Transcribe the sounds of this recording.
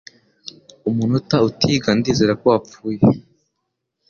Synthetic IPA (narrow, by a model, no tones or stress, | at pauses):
umunutautʰiːɡandiːze̞ːɾakoap͡fuːje